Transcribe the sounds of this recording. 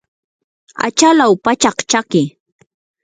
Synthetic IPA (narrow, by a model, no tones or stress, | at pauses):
a̰t͡ʃalawpat͡ʃɑχt͡ʃakɪ